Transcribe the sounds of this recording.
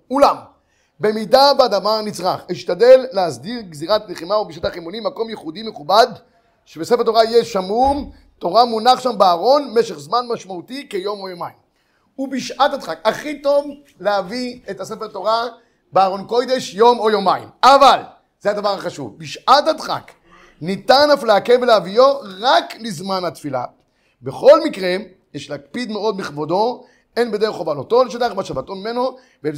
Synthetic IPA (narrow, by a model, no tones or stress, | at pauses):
ulam | be̞midabad̪avaʁnit͡sʁaχiʃtad̪e̞lːeasdiʁɡziʁat̪leχimaobiʃat̪aχimonimako̞mjeχudimeχubad̪ | ʃebesefet̪̬o̞ʁaijeʃamum | to̞ʁamunaχʃambeaːʁo̞nme̞ʃeχzmanmaʃmaut̪ikejo̞mojomaim | ubiʃʔatad̪χakaχit̪o̞v | leaviet̪hasefeʁt̪o̞ʁa | beaːʁo̞nko̞jd̪e̞ʃjo̞mojo̞maḭmaval | z̥eadavaʁhaχaʃṵvbiʃʔathadχa̰k | nit̪anaflaːkebeleavijoʁaklizmanhat̪fila̰ | be̞χo̞lmikʁe | jeʃlakpid̪meo̞d̪miχbod̪o̞ | enbed̪eʁeχovalot̪o̞leʃadabaʃavat̪o̞mime̞no̞ | ve